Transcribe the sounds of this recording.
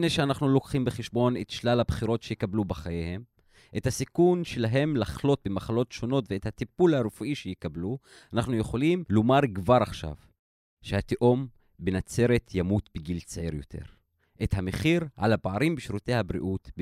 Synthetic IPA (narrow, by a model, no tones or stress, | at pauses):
neʃeanaχnulo̞kχimbeχeʃbo̞ne̞tʃlalhabχiɾo̞tʃejekablubeχajehe̞m | ʔethasikunʃe̞laɦe̞mlaχlo̞t̚bemaχalo̞tʃo̞no̞tveethatipulhaɾufuʔiʃejekablu | anaχnujeχo̞limlomaʁɡvaʁaχʃa̰v | ʃehat̪eʔo̞m | benat͡se̞ɾe̞tʰjamutbeɡilt͡sʕiɾjo̞̰tʰe̞̰ʁ | ʔethameχiʁʕa̰labaʕaɾimbiʃɾute̞jhabɾḭʔutb